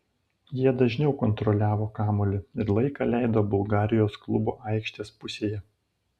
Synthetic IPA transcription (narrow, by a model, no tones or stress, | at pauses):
jiɛd̪ɐʒʲnʲɛʊkɔnt̪ɾɔlʲæːʋoːkɑːmolʲɪɪɾlˠɐɪkɑlʲæˑɪd̪oːbʊlˠɡɑːɾʲɪjoːsklˠʊboːʔɑˑɪkʃʲt̪ʲeːspʊsʲeːjɛ